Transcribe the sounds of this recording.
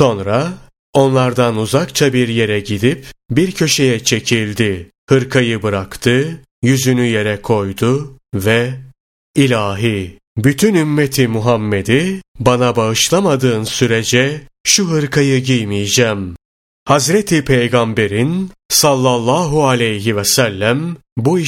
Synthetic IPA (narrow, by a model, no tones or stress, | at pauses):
so̞nɾa | o̞nlˠaɾd̪anuzakt͡ʃʰabiɾje̞ɾɛɟid̪ipbiɾcʰø̞ʃe̞jɛt͡ʃʰe̞cʰilʲd̪ɪ | hɯɾkʰajɯbɯɾakt̪ʰɯ | jyzynyje̞ɾɛkʰo̞jd̪ʊvɛ | ilʲaːɦi | byt̪ʰynymːet̪ʰimuɦamːe̞d̪ibanabaɯʃlˠamad̪ɯːnsyɾed͡ʒɛʃuɦɯɾkʰajɯɟijmijd͡ʒæːm | hazɾet̪ʰipʰe̞jɡambe̞ɾinsalˠːalˠːaːɦualʲejɦivɛsælʲːæmbui